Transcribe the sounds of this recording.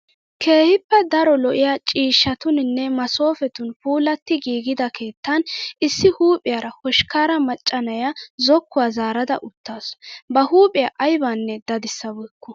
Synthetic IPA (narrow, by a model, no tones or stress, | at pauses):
kʰe̞ːhɪpːɛd̪ɐɾɔlɔʔɪjaːt͡ʃʼiːʃːɐt̪ʊnɪnːɛmɐso̞ːfɛt̪ʊnpuːlɐt̪ːɪɡiːɡɪd̪ɐkʰe̞ːt̪ːɐnʔɪsːɪhuːpʼɪjaɾɐhɔʃkaːɾɐmɐt͡ʃʼːɐnɐjazɔkːʊwaːzaːɾɐd̪ɐ̰ʔʊt̪ːaːsbɐhuːpʼɪjaʔɐjbanːɛd̪ɐd̪ɪsːɐbɔːkːʊ